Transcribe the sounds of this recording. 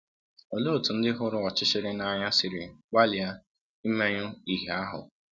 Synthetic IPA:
o˨lo˦˨tu˨n̩˦dɪ˦ɦʊ˦ɾʊ˦ɔ˨t͡ʃɪ˦ʃɪ˦ɾɪ˦na˨ɲa˦sɪ˨ɾɪ˨ɡ͡ba˦lɪ˨a˦ | i˦me˦ɲʊ˦i˨ɦe˨a˦ɦʊ̰˨

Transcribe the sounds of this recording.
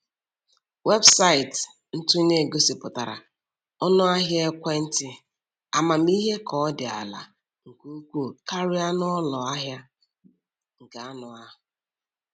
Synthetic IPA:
we˦bsa˦ɪ˨t | n̩˦tu˦ne˦˨ɡo˦sɪ˨pʊ˨ta˨ɾa̰˨ | ɔ˦nɔ˦a˦ɦja˦e˦kʷe˦n̩˦tɪ˦ | a˨ma˨m̩˦i˦ɦe˦kʰɔ˨˦dɪ˨a̰˨la̰˨ | ŋ̩˨ku˦u˦kʷu˦˨ka˦ɾɪ˦a˦nɔ˦lɔ˨a˦ɦja˦ | ŋ̩˨ka˨a˦nʊ˨a˦ʊ˨

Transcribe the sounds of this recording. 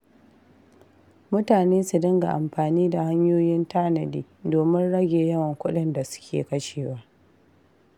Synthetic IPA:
mʊ˦taː˨neː˦su˨dɪ˦ŋɡa̰˨ʔa˨mɸaː˨niː˦da˨ha˦ɲjoː˦jɪ˦ntaː˦nɐ˨diː˦ | doː˨mɪ˦nɽɐ˦ɡʲeː˨jɐ˦wɐ˨ŋkʷʊ˦ɗɪ˦nda˨sʊ̥˦kʲḛː˨kɐ˦ʃeː˨waː˦

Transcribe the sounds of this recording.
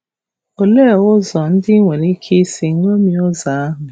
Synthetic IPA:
o˨le˦˨ʊ˦zɔ˨n̩˦dɪ˦ŋʷe˨ɾi˦kʰe˦si˨˦ŋʷo˦mi˦ʊ˦za˨a˦ɦʊ˨

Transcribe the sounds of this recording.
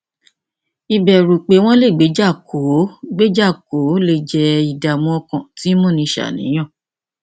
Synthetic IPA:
i˧bɛ˨ɾu˨k͡pe˨˦w̃ɔ̃˦le˦˨ɡ͡be˨˦d͡ʒa˦˨kʰo˨˦ɡ͡be˦d͡ʒa˦˨ko˨˦le˧d͡ʒɛ˧i˧da˨mũ˧˦ɔ˧kã˦˨ti˨˦mũ˦˨nĩ˧ʃa̰˨nḭ̃˨˦j̃ã˦˨

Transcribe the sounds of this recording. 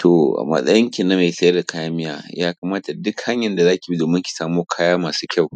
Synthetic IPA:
tʰo˨ʔa̰˨mɐ̰˨sʼɐ̰˦jɪ˦ŋkʲɪ˨nːa˦ma˨jsɐ˦jɐ˦da˨kʰa˦jaː˦mɪ˦jaː˨jaː˦kaː˨maː˦ta˨dʊ˦kha˦ɲjɐ˨nda˨zaː˦kʲi˨bi˦doː˨mɪ˦ŋkʲi̥˨saː˦moː˦kʰaː˦jaː˦maː˨su̥ː˦kʲa˦˨w

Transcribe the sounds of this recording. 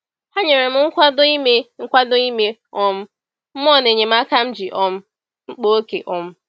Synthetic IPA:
ha˦ɲe˨ɾe˨m̩˦ŋ̩˦kʷa˦do˦i˦me˦ŋ̩˦kʷa˦do˦i˦me˦ɔ˨m̩˦ | m̩˦mɔ˦˨ne˨ɲe˨m̩˦a˦ka˦m̩˦d͡ʒi˨ʔɔ˨m̩˦ | ŋ͡m̩˦k͡po˦o˦kḛ˨ʔɔ˨m̩˦

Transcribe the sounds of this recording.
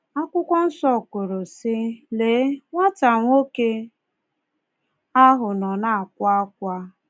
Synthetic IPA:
a˦kʷʊ˦kʷɔ˦n̩˦sɔ˦˨kʊ˨ɾʊ˨sɪ˦leː˨˦ŋʷa˦ta˨ŋʷo˦ke˦ | a˦ɦʊ˨nɔ˨na˦a˨kʷa˦k̚ʷa˦

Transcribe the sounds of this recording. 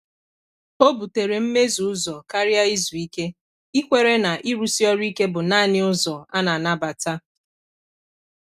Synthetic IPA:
o˦bu˨te˨ɾe˨m̩˦me˦zu˨ʊ˦zɔ˨ka˦ɾja˦i˦zu˨i˦ke˦ | i˦kʷe˨ɾe˦na˨ʔi˦ɾu˦si˦ɔ˦ɾi˦ke˦bʊ˨na˦˨nɪ˦ʊ˦zɔ˨a˦na˨na˦ba˨ta˦

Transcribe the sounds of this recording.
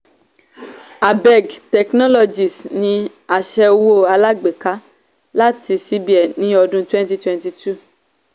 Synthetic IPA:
a˨bɛ˨ɡtɛ˨knɔ˦lɔ˧d͡ʒi˨snĩ˧ | a˨ʃɛ˧wo˦˨a˧la˦ɡ͡be˨ka˦ | la˦ti˧si˦bi˦ɛ˨nĩ˨˦ɔ˧dũ˧twɛ̃˦n˦ti˧twɛ̃˧nti˧tu˦˨

